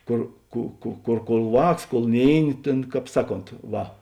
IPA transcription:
ˈkoːr ˈkuː ˈkuː ˈkoːr ˈʋɑːks koːlˠ ˈnʲeːɪˌnʲɪ ˈtʲeːn ˈkɑːp ˈsɑːˌkoːnt ˈʋɐ

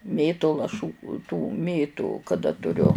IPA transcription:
ˈmʲeːtʊ lˠɐˈʃuː tuː ˈmʲeːtʊ kɐˈdɐ tʊˈrʲʊ

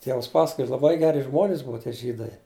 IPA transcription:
ˈtʲiɛʋɐs ˈpɑːsɐkoːjɛ lˠɐˈbɐɪ ˈɡʲæːrʲɪ ˈʒmoːnʲɪs ˈbʊɐ tʲiɛ ˈʒʲiːdɐɪ

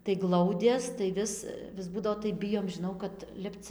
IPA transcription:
tɐɪ ˈɡlˠɐʊdʲeːs tɐɪ ˈʋʲɪs ʋʲɪs ˈbuːdɐʋoː tɐɪ ˈbʲɪjoːm ʒʲɪˈnɐʊ kɐt ˈlʲɪpt͡s

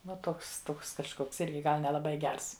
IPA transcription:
ʋɐ ˈtoːks ˈtoːks kɐʃˈkoːks ˈɪrʲɡʲɪ ˈɡɐlˠ nʲɛlˠɐˈbɐɪ ˈɡʲɛrs

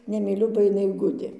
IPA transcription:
nʲɛmʲiːˈlʲʊ bɐ ɪˈnɐɪ ˈɡʊdʲeː

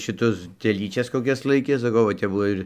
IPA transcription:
ʃʲɪˈtʊs tʲɛˈlʲiːt͡ʃʲɛs koːˈkʲɛs ˈlˠɐɪkʲeː sɐˈkɐʊ ʋɐ ˈtʲɛp ˈbʊʋoː ɪr

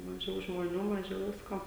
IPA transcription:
mɐˈʒʲɛʊ ʒmoːˈnʲuː mɐˈʒʲɛʊ ˈʋʲɪskoː

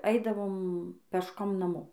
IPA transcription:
ˈɐɪdɐʋoːm pʲɛʃˈkoːm nɐˈmoː

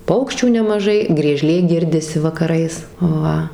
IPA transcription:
ˈpɐʊkʃʲt͡ʃʲuː nʲɛmɐˈʒɐɪ ɡrʲiɛˈʒʲlʲeː ˈɡʲɪrʲdʲɪsʲɪ ʋɐkɐˈrɐɪs ˈʋɐ

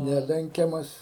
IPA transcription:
ˈnʲæːlʲɛŋʲkʲɛmɐs

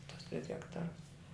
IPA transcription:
tʊs tʲrʲɪs ɣʲɛkˈtɑːrʊs

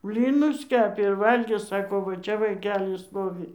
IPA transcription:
ˈbʲlʲiːnʊs ˈkʲæːpʲeː ɪr ˈʋɐlʲɡʲeː ˈsɑːkoː ˈʋɐ ˈt͡ʃʲɛ ʋɐɪˈkʲæːlʲɪ ˈstoːʋʲɪ

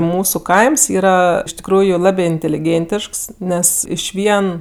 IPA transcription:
ˈmuːsʊ ˈkɐɪms ˈiːrɐ ɪʃ tʲɪkˈruːjʊ ˈlˠɑːbʲeː ɪnʲtʲɛlʲɪˈɡʲeːnʲtʲɪʃks ˈnʲɛs ˈɪʃʲʋʲiɛn

